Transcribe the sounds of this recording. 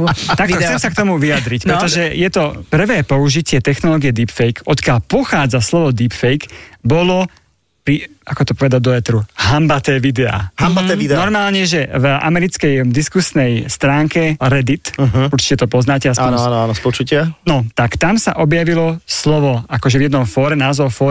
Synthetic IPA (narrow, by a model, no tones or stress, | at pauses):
t̪ak̪ɔxt͡sɛmsakt̪ɔmuʋiad̪ɾicpɾɛt̪ɔʒɛjɛt̪ɔpr̩ʋɛːpɔuʒicɪɛt̪ɛxnɔlɔːɡijɛd̪iːpfɛjkɔt̪kɪalpɔxaːd͡zaslɔʋɔd̪iːpfɛjkbɔlɔ | pɾiakɔt̪ɔpɔʋɛd̪ad̪ɔɛt̪ɾuɦambat̪ɛːʋid̪ɛa̰hamaɛid̪nɔɾmaːlɲɛʒɛva̰mɛɾit͡skɛjd̪iskusnɛjst̪ɾaːŋkɛɾɛd̪it̪ɦuɾt͡ʃi̥cɛt̪ɔpɔznaːcɛasanɔanɔspɔt͡ʃucɪanɔt̪akt̪amsaʔɔbjaʋilɔslɔʋɔakɔʒɛvjɛd̪nɔmfɔːɾɛnaːzɔfɔː